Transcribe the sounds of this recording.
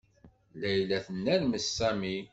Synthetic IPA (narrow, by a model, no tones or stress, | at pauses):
læjlæθənːæɾməsːæmi